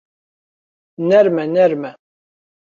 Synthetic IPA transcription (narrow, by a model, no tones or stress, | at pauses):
nɛɾmɛnɛɾmɛ